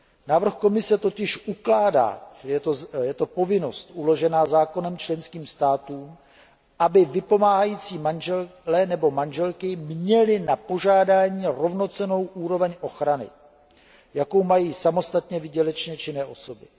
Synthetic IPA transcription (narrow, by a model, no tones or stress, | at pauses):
naːvr̩xko̞mɪsɛt̪o̞cɪʃʔuklaːda̰ːjɛojɛt̪o̞po̞vɪno̞st̪ʔulo̞ʒɛnaːzaːko̞nɛmt͡ʃlɛnskiːmst̪aːt̪uːm | ʔabɪvɪpo̞maːɦajiːt͡siːmanʒɛllɛnɛbo̞manʒɛlkɪmɲɛlɪnapo̞ʒaːdaːɲiːɾo̞vno̞t͡sɛno̞wʔuːɾo̞vɛɲʔo̞xɾanɪ̰ | jako̞wmajiːsamo̞st̪at̪ɲɛvɪɟɛlɛt͡ʃɲɛt͡ʃɪnɛːʔo̞so̞bɪ